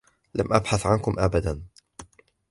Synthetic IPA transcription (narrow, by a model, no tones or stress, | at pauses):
lamʔabħaθʕankʊmʔabad̪an